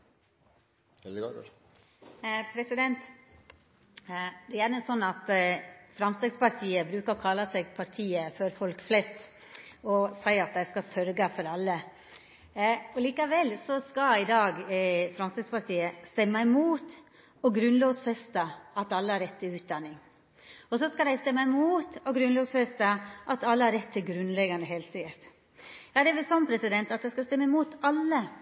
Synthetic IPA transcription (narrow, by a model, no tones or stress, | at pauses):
pʰɾɛsɪd̪ɛnt̪ | d̪ɛjæːnəsɔnːɑt̪fɾɑmst̪ɛɡspɑɾʈ̪ʰiːəbɾʉːkəɾɔkʰɑlːɑsɛɡpʰɑɾt̪ʰiːəfɔɾfɔlkflɛst̪ | ɔsæɪɑt̪̚d̪æɪskɑsœɾɡəfɔɾɑlːə | ɔliːkəʋɛlːsɔskɑɪd̪ɑːɡfɾɑnsɪspɑʈʰiːəst̪ɛmːəɛmuːt̪ | ɔɡɾʉnloːʋsfɛst̪əɑt̪ɑlːəhɑɾɛt̪ʰːɪlʉːt̪̚d̪ɑnːɪŋ | ɔsɔskɑd̪æɪst̪ɛmːəɛmuːt̪ɔɡɾʉnloːʋsfɛst̪əʔɑt̪ɑlːəhɑɾɛt̪ʰːɪlɡɾʉnlɛɡɑnd̪əɦɛːlsit̪ | jɑːd̪ɛʋɪlsɔmpʰɾɛsɪd̪ɛnt̪ɑt̪d̪æɪskɑst̪ɛmːəɛmuːt̪ɑlːə